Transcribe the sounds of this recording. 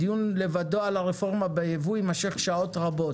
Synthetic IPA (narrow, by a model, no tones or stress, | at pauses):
ijunle̞vad̪o̞alaʁefo̞ʁmabejevuimaʃeχʃao̞t̪ʁabo̞